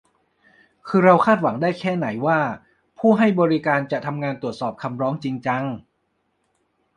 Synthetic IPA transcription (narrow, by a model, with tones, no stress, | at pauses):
kʰɯː˧ɾa˧wkʰaː˥˩t̪̚wa˩˦ŋdaː˥˩jkʰɛː˥˩na˩˦jwaː˥˩ | pʰuː˥˩ɦa˥˩jbɔː˧ɾi˦˥kaː˧nt͡ɕa˨˩t̪ʰa˧mŋaː˧nt̪u˨˩ət̪̚sɔː˨˩p̚kʰa˧mɾɔː˦˥ŋt͡ɕi˧ŋt͡ɕa˧ŋ